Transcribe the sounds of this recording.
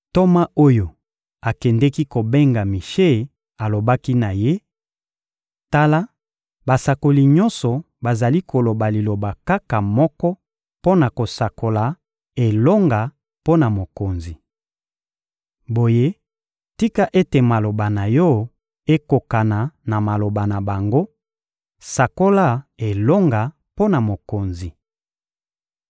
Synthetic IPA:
to˦ma˦o˦jo˨ | a˨kɛ˨ndɛ˦ki˦ko˨be˦ŋɡa˨mi˨ʃe˦˨ | a˨lo˨ba˦ki˦na˨je˦ | ta˦la˦ | ba˨sa˨ko˨li˨ɲɔ˦nsɔ˨ | ba˨za˨li˦kʰo˨lo˨ba˨li˨lo˨ba˨ka˦ka˨mɔ˦kɔ˦ | po˦na˨ko˨sa˨ko˨la˨ | e˨lo˦ŋɡa˨ | po˦na˨mo˨ko˨nzi˨ | bo˨je˦ | ti˦ka˦ʔe˦te˨ma˨lo˨ba˨na˨jɔ˦ | e˦ko˨ka˨na˨na˨ma˨lo˨ba˨na˨ba˨ŋɡo˦ | sa˨ko˦la˦e˨lo˦ŋɡa˨ | po˦na˨mo˨ko˨nzi˨

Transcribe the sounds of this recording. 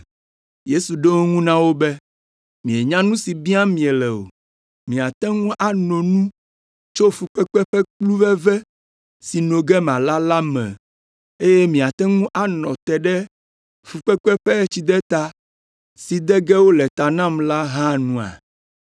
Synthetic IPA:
je˦su˨ɖo˦ŋ˦ŋũ˦nã˦wo˦bɛ˦ | mĩ˨e˨ɲã˦nũ˦si˨bi˦a˦mĩ˨ɛ˨lɛ˨o̰˨ | mĩ˨a˨t̪ɛ˦ŋũ˦ʔa˨nɔ̃˨nũ˦ | t͡ʃo˦fu˨k͡pɛ˦k͡pɛ˦ɸɛ˦k͡plu˦vɛ˦vɛ˦ | si˨nõ˨ɡɛ˦mã˨la˦la˦mɛ̰̃˨ | e˦jɛ˦mĩ˨a˨t̪ɛ˦ŋũ˦ʔa˦nɔ̃˨t̪ɛ˨ɖɛ˦ | fu˨k͡pɛ˦k͡pɛ˦ɸɛ˦t͡ɕi˦d̪ɛ˦t̪a˦ | si˨d̪ɛ˦ɡɛ˦wo˦lɛ˨t̪a˨nã˦˨mla˦ɦã˦nũ˦a̰˨

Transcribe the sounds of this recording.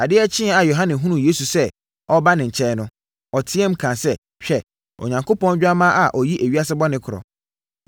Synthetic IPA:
a˨dɪ˦ɛ˦t͡ɕʰɪ̃˦˨a˨jo˨ɦã˦nɪ̃˨ɦũ˦nũ˨je˦su˨sɛ˦ | ɔ˦ba˦nɪ̃˨ɲ̩˨t͡ɕʰɛ˦nʊ̃˦ | ɔ˨tʰɪ˦ɛ˦m̩˦kʰã˨sɛ˦ | ɕᶣɛ˨ | ɔ̰˨ɲã˨ŋkʰo˦pɔ̃˦nd͡ʑᶣa˦mã˦ʔa˨ʔɔ˨ji˦ʔæ˨ɥi˦a˦sɪ˦bɔ˦nɪ̃˦kʰʊ˨ɔ̰˨

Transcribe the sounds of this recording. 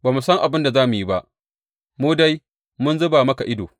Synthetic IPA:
baː˨mu˨sɐ˦ŋʔa˨bɪ˦nda˨zaː˦mu˨ji˦ba˦ʔ | muː˦da˦j | mʊ˦nzʊ˦baː˨mɐ˦ka˨ʔɪ˦doː˨

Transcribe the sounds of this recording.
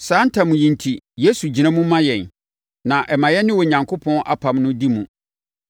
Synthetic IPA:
saː˨˦n̩˦tʰã˨mũ˨jĩ˨ntʰi˨je˦su˨d͡ʑi˨nã˦mũ˦mã˦jɛ˨n | nã˨ʔɛ˨mã˨jɛ˦nɪ̃˦wɔ˨ɲã˨ŋkʰo˦pʰɔ̃˦nʔa̰˦˨pʰa˨mnʊ̃˦di˦mũ˨

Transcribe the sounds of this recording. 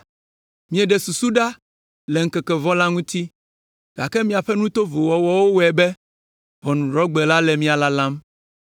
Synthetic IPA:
mĩ˦ɛ˨ɖɛ˨su˨su˦ɖa˦ | lɛ˨ŋ̩˦kɛ˨kɛ˨vɔ̃˦la˦ŋũ˦t̪i˦ | ɡ̥a̰˨kɛ˦mĩ˦a˨ɸɛ˦nũ˦t̪o˦vo˨wɔ˨wɔ˦wo˦wɛ˨bɛ˦ | vɔ˨nũ˨ɖɾɔ˦ɡ͡bɛ˨la˦lɛ˨mĩ˦a˨la˦lã˦m

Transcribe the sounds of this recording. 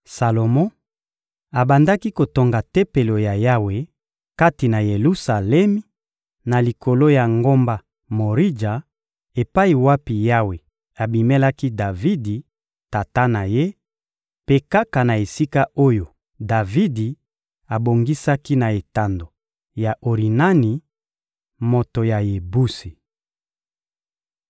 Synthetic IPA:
sa˨lo˨mɔ̃˦ | a˨ba˨nda˦ki˦ko˨to˨ŋɡa˨te˦pe˨lo˨ja˨ja˦we˨ | ka˦ti˨na˨je˨lu˦sa˨lɛ˦mi˦ | na˨li˨kʰo˨lo˦ja˨ŋɡo˦mba˦ | mo˨ʁi˦d͡ʒa˨ | e˨pa˦i˨wa˦pi˨ja˦we˨ | a˨bi˨me˦la˦ki˦da˨vi˦di˨ | ta˨ta˦na˨je˦ | pe˨ka˦ka˨na˨e˨si˦ka˦ʔo˦jo˨ | da˨vi˦di˨ | a˨bo˨ŋɡi˦sa˦ki˦na˨e˨ta˨ndo˨ | ja˨ʔo˨ʁi˨na˦ni˨ | mo˨to˨ja˨je˨bu˦si˨

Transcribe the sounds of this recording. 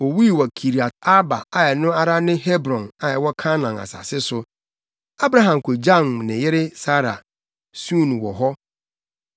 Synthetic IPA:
o˨wi˦˨wɔ˨kʰi˨ɾi˨a˨t̚a˦ba̰˨a˨jɛ˨nʊ̃˦a˨ɾa˦nɪ̃˦ɦɛ˦bɾɔ̃˨na˨jɛ˨wɔ˦kʰa˦nã˨na̰˨sa̰˨sɪ˦sʊ˨ | a˦bɾa˦ɦã˨m˨kʰʊ˨d͡ʑa˦ŋnɪ̃˨jɛ˦ɾɪ˦sa˦ɾa̰˨ | sũ˦˨ñ˨wɔ̰˨ɦɔ˦

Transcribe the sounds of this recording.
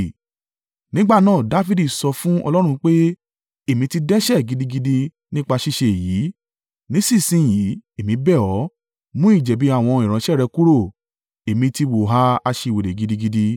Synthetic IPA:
nĩ˦ɡ͡ba˦˨nãː˦˨da˨˦fi˦di˦˨sɔ˧fũ˦ɔ̰˧lɔ˦ɾ̃ũ˧k͡pe˦ | e˦˨mĩ˧ti˧dɛ˦ʃɛ˦˨ɡi˨˧di˧ɡi˧di˧ | nĩ˦k͡pa˧ʃi˧ʃe˧e˨jiː˨˦ | nĩ˨˦si˦˨sĩ˨˦˨ji˨˦e˨mĩ˧bɛ˦˨ɔ˨˦ | mũ˦i˦˨d͡ʒɛ˨bi˨˦a˦˨w̃ɔ̃˧i˨ɾ̃ã˨˧˦ʃɛ˦˨ɾɛ˧ku˦ɾo˦˨ | e˨mĩ˧ti˧wo˨ɦa˧˦a˧ʃe˧˨we˨le˨ɡi˧di˧ɡi˧di˧

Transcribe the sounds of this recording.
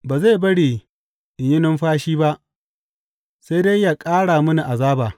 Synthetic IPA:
baː˨za˦˨bɐ˦ɽiː˨ | ʔɪ˨ɲjɪ˦nɪ˦mɸaː˦ʃiː˦ba˦ʔ | se˦jde˦ja˨kʼaː˦ɽaː˨mʊ˦ni˨ʔa˨zaː˦baː˨

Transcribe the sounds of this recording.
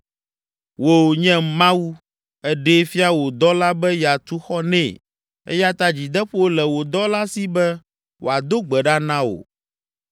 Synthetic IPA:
wo˨ɲɛ̃˦mã˦wu˦ | ɛ˦ɖe˦fi˦a˦wo˨d̪ɔ˦la˦bɛ˦ja˨t̪u˦xɔ˦nɛ̰̃˦˨ | ɛ̰˦ja˦t̪a˦d͡ʑi˨d̪ɛ˦ɸwo˦lɛ˨wo˨d̪ɔ˦la˦si˦bɛ˦ | wʔo̰˨a˨d̪o˦ɡ͡bɛ˨ɖa˦nã˦wo̰˨

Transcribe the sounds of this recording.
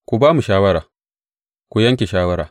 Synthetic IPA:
kʷu˨baː˦mu˨ʃaː˦wɐ˦ɾaː˨ | kʷu˨jɐ˦ŋkʲe˨ʃaː˦wɐ˦ɾaː˨

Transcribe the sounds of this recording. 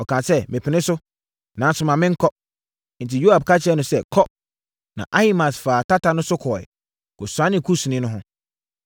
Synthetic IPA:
ɔ˨kʰã˨sɛ˦mɪ̃˨pʰɪ˨nɪ̃˦sʊ˦ | nã˨n˦sʊ̃˨mã˨mɪ̃˦ŋ̩˦kʰɔ˦ | n̩˨ti˨jo˦a˨b̚kʰa˦t͡ɕʰɪ˨ɛ˦nʊ̃˨sɛ˦˨kʰɔ˦p̚ | nã̰˨ʔa˦hi˦mã˨sfaː˨tʰa˦ta˨nʊ̃˦sʊ˦kʰɔː˨ɛ̰˨ | kɔ˨sʊ˨ã˦nɪ̃˦kʰu˦su˨nɪ̃˦nʊ̃˦ɦʊ̃˦

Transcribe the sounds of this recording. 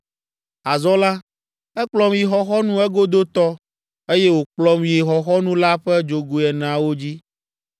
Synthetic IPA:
a˨zɔ˦la˦ | ɛ˦k͡plɔ˦mji˨xɔ˦xɔ˦nũ˦ɛ˦ɡo˦d̪o˦t̪ɔ˦ | e˦je˦wo˨k͡plɔ˦mji˨xɔ˨xɔ˦nũ˦la˦ɸɛ˦d͡ʒo˨ɡu˨ɛ˨nã˨wo˦d͡ʑi˦

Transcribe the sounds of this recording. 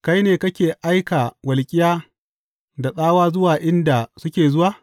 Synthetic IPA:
ka˦jneː˨kɐ˦kʲeː˨ʔa˦jkaː˨wɐ˨lkʲʼɪ˦jaː˦ | da˨ɗaː˦waː˦zʊ˦waː˨ʔɪ˦nda˨sʊ˦kʲeː˨zʊ˦waː˨

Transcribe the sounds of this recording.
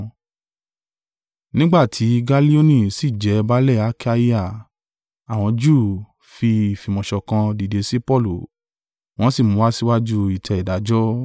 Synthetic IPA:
nĩ˦ɡ͡ba˦˨tʰi˨˦ɡa˦li˦o˦nĩ˦˨si˦˨d͡ʒɛ˨˦ba˦lɛ˦˨a˧˦kʰa˧i˦a˦˨ | a˨w̃ɔ̃˧d͡ʒuː˦˨ | fi˧˨fi˨mɔ̃˨ʃɔ˨˧kã˧di˨de˨˧˦si˦pɔ˦˨lu˨ | w̃ɔ̃˦si˦˨mũ˨˦wa˦si˦wa˦d͡ʒu˦i˨tʰɛ˨˧i˨da˨˦d͡ʒɔ˦

